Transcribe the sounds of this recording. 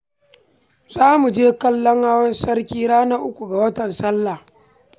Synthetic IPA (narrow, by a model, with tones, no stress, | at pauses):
zaː˦mu˨d͡ʒeː˦kɐ˦lːɔ˦ŋhaː˦wɐ˦nsɐ˦rkʲiː˦ɽaː˦na˦ʔʊ˦kʷu˨ɡa˨wɐ˦tɐ˨nsɐ˦lːa˨